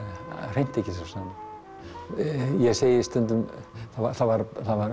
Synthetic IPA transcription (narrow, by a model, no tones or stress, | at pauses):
r̥ejn̥t̪ɛhcɪsast̪œnt̪ʏ | jɛseːjɪist̪œnt̪ʏmθavaθavaɾθavaɾ